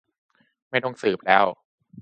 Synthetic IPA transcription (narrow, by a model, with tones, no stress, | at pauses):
ma˥˩jdo˧ŋsɯː˨˩p̚lɛː˦˥˩w